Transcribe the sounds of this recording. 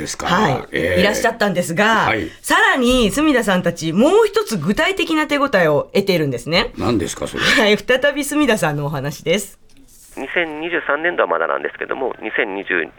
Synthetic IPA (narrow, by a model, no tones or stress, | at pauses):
eska̰haḭiɾaɕːat̪ːãnd̪e̞sɨɡaaisaɾaɲ̟isɨmʲid̪as̬ãnt̪at͡ɕimo̞ːçi̥t̪o̞t͡sɨɡɯ̟t̪ait̪e̞kʲinat̪e̞ɡo̞t̪aio̞e̞t̪e̞iɾɯ̟̃nd̪e̞sɨne̞nãnd̪esɨ̥ka̰so̰haiɸɯ̥t̪at̪abʲisɨmʲid̪asãnːo̞ːɦanaɕid̪e̞sɨ̥ | ɲisẽ̞ɲ̟ːiʑɨːsãnːẽ̞nd̪oamad̪a̰nã̰nd̪e̞sɨ̥ke̞̰d̪o̰mo̞̰ɲʲisẽ̞ɲ̟ːiʑɨ̰ː